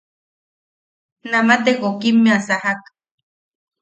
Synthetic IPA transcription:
namat̪ekokimːeasahak

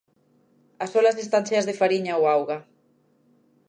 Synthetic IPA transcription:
asolazist̪anθjazðefaɾiɲaoawɣa

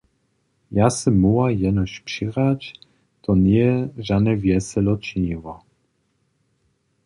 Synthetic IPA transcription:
jasɛmːuwajɛnɔɕpʂiʁat͡ɕ | t̪ʰɔnɛʐanɛvjɛsɛlɔt͡ʃɲiwɔ

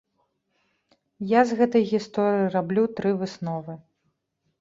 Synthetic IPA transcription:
jazɣɛt̪ɐjɣʲist̪ɔɾɨirablʲut̪ɾɨvɨsnɔvɨ

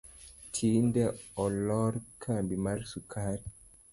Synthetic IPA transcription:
tʰindɛɔlɔɾkʰambimaɾsukʰaːɾi

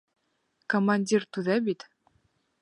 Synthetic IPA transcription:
komanʲdʲirt̪uðɑbit̪

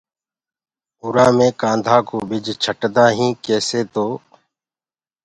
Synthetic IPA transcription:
ɦʊːɾaːmẽːkãːnd̪ʱaːkoːbɪd͡ʒt͡ʃʰəʈd̪ãːɦĩːkeːseːt̪oː

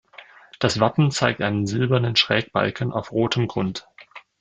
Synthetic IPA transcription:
d̥asv̥apm̩t͡saɪk̚tʔaɪnənzɪlbɐnənʃʁ̥ɛːk̚b̥a̰lkʰən̩ʔa̰ʊfʁoːtʰəmɡʁʊnt

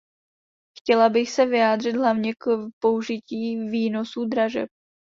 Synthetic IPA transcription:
xcɛlabɪxsɛvɪjaːd̪r̝ɪd̪ɦlavɲɛkpouʒɪciːviːno̞sud̪ɾaʒɛ̰p̚

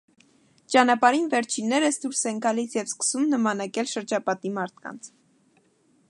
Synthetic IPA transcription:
t͡ʃɑnɑpɑɾinvɛɾt͡ʃʰinːɛɾəsd̪uɾsɛŋɡɑlisʰjɛvskə̥sumnəmɑnɑkɛlʃəɾd͡ʒɑpɑt̪imɑɾt̪̚ʰkɑ̰nt͡sʰ

